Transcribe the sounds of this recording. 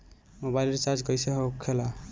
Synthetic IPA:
mobajlɾt͡ʃad͡ʒkʌjseɦokʰːela

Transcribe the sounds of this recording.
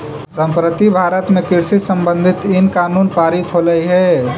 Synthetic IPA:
səmpɾət̪ibʱaɾət̪mekiɾsisəmbə̃nd̪ʱit̪inkanunpaɾit͡ʃʰoləjɦɛ

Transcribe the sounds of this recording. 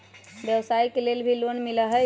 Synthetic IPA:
bjəwsaikelelbʱilonmiləɦə

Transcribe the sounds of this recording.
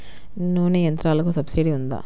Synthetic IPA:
nuʋnejɐnt̪ɾaːlɐk̬usɐbsiɖiund̪a̰ː

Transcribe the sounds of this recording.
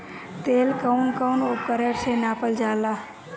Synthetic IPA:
t̪eːlkəwnkəwnup̚kəɾəɾt͡ʃʰenaːpəld͡ʒaːla

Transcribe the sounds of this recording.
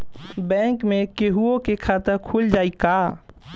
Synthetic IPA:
bɛ̃ːŋkmẽkeɦuõkekʰaːt̪ɪɾkʰuld͡ʒaːikaː

